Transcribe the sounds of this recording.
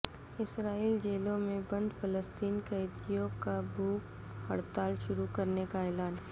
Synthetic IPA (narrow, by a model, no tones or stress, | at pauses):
ɪsɾaːiːld͡ʒeːlõmẽbɐ̃nd̪pɐləst̪iːnkət̪ijõkabʱuːk | hɐɽt̪aːlʃʊɾukɐɾnekaɛːlaːn